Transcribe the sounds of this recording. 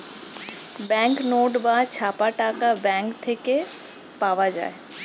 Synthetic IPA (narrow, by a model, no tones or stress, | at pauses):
bɛ̃ŋknoːɖbat͡ɕʰaːpaʈaːkabɛ̃ŋkt̪ʰeke | paːʋad͡ʒa̰ːe